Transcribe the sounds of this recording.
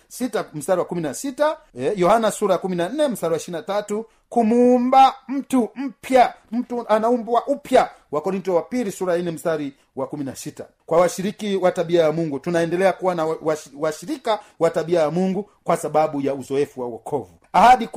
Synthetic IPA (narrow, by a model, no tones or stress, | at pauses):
sitam̩staɾiwakuminasitaɛjɔhanasuɾajakuminannɛm̩staɾiwaiʃinatatu | kumuːmbam̩tum̩pjam̩tuanaumbwaʔupja | wakɔɾintɔwapilisuɾajainɛm̩staɾi | wakuminasita̰ | kwawaʃiɾikiwataɓiajamuŋɡutunaɛndɛlɛakuwanawawaʃiɾikawataɓiajamuŋɡu | kwasaɓaɓujauzɔɛfuwawɔkʰɔvuahaɗi